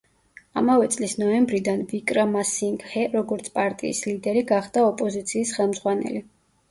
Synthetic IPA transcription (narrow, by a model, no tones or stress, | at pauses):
a̰mavɛt̪sʼlisnɔɛmbɾid̪anvikʼɾamasiŋɡhɛɾɔɡɔɾt̪sʰpʼaɾt̪ʼḭːslid̪ɛɾiɡaχd̪aɔpʼɔzit̪sʰiːsχɛlˠmzʁwanɛ̰li